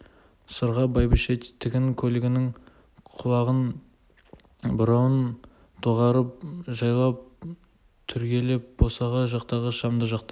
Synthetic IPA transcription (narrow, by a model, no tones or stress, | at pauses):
səɾʁɑbɑjbɪʃet̪ʰːɪkʲɪŋkʲʰɵlɪɡʲɪnɪŋ | qʰʊlˠɑʁən | bʊɾɑwən | t̪ʰoʁɑɾəp̚ʒɑjlˠɑp̚ | t̪ʰʏɾkʲe̞lep̚bosɑʁɑʒɑqt̪ɑʁəʃɑmd̪əʒɑqt̪ɑ